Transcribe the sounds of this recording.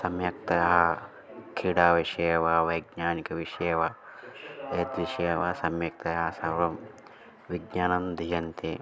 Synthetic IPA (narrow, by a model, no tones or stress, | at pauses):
sɐmjɐk̚t̪ɐjɐɦɐ | kʰiːɽaːʋiʃejʋɐʋɐjɡɲaːnikɐʋiʃɐjʋɐ | eːd̪ʋiʃeːʋɐsɐmjɐk̚t̪ɐjɐɦɐsɐɾɾɐm | ʋiɡɲaːnɐnd̪ʱijɐnt̪e